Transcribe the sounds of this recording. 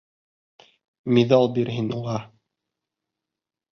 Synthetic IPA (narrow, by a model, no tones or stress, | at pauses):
miðɑlˠbiɾɦinuʁɑ